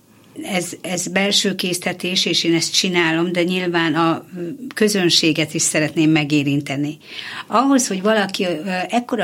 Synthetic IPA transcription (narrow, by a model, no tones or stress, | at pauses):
ɛzɛzbɛlʃøːkeːst̪ɛt̪eːʃeːʃeːnɛst̪̚t͡ʃinaːlo̞md̪ɛɲilvaːnɒkø̞zø̞nʃeːɡɛt̪iʃsɛɾɛt̪neːmːɛɡeːɾint̪ɛni | ɒɦo̞sho̞ɟvɒlɒkiɛkːo̞ɾɒ